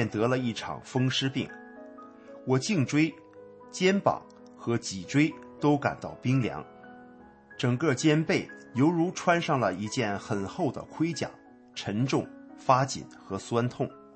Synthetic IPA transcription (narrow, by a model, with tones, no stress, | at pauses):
ɛ˥˩nt̪ɤ˧˥lə˧i˥˩ʈ͡ʂʰɑ̰˨˩ŋfɤ˥ŋʂɻ̩˥pḭ˥˩ŋ | wɔ˨˩t͡ɕi˥˩ŋʈ͡ʂwe˥ɪ | t͡ɕjɛ˥npɑ̰˨˩˦ŋ | xɤ˧˥t͡ɕi˨˩ʈ͡ʂwe˥ɪt̪o˥ʊka̰˨˩nt̪ɑ˥˩ʊpi˥ŋljɑ̰˧˥ŋ | ʈ͡ʂɤ˨˩ŋkɤ˥˧˩t͡ɕjɛ˥npe˥˩ɪjo˧˥ʊɻu˧˥ʈ͡ʂʰwa˥nʂɑ˥˩ŋlə˩i˧˥t͡ɕjɛ˥˩nxə˨˩nxo˥˩ʊd̪ə̰˩kʰwe˥ɪt͡ɕja̰˨˩˦ŋ | ʈ͡ʂʰə˧˥nʈ͡ʂʊ˥˩ŋfa˥t͡ɕḭ˨˩nxɤ˧˥swa˥nt̪ʰʊ˥˩ŋ